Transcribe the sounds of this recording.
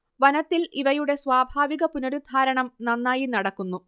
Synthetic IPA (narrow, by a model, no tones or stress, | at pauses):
ʋɐnɐt̪ːiliʋɐjuɽe̞sʋaːbʱaːʋiɣɐpunoɾud̪ʱaːɾɐɳɐmnɐnːaːjinɐɽɐkːunːu